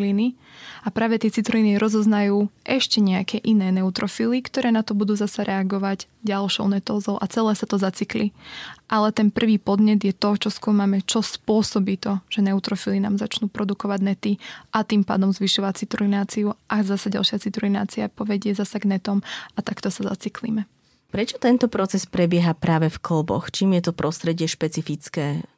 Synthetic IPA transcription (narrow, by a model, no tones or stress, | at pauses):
lini | apɾaːʋɛt̪ɪɛt͡sit̪ɾliːniɾɔzɔznajuːʔɛʃcɛɲɛakɛʔinɛːnɛut̪ɾɔfilikt̪ɔɾɛːnat̪ɔbud̪uːzasaɾʔɛaɡɔʋaɟɟalʃɔ̰ʊnɛt̪ɔːzɔʊʔat͡sɛlɛːsat̪ɔzat͡sikliʔalɛt̪ɛnpr̩ʋiːpɔd̪ɲɛd̪jɛt̪ɔt͡ʃɔskuːmamɛt͡ʃɔspʊɔsɔbit̪ɔʒ̥ɛnɛut̪ɾɔfilina̰ːmzat͡ʃnuːpɾɔd̪ukɔʋaɟnɛt̪iʔat̪iːmpa̰ːd̪ɔmzʋiʃɔʋat͡sit̪ɾuinaːt͡siuʔazasaɟa̰lˠʃɪat͡sit̪ɾuina̰ːt͡siapɔʋɛɟɪɛzasaɡnɛt̪ɔmat̪akt̪ɔsaza̰t͡siklḭmɛ | pɾɛt͡ʃɔ̥t̪ɛnt̪ɔpɾɔt͡sɛspɾɛbɪɛɦapɾaːʋɛfkl̩bɔ̰xt͡ʃiːmjɛt̪ɔpɾʔɔst̪ɾɛɟɪɛʃpɛt͡sifit͡skɛː